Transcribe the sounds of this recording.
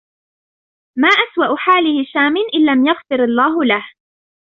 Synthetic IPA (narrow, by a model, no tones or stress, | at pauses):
maːʔaswaʔʊħaːlɪhɪʃaːmɪnʔɪlːamjaɣfɪɾɑlˤːaːɦʊlah